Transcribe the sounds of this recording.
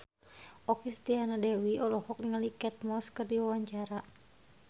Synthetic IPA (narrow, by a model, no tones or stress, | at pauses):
ʔɔkist̪ianadɛwiɔlɔhɔk̚niŋalikɛt̪̚mɔskɨrdiwawaɲt͡ʃaɾa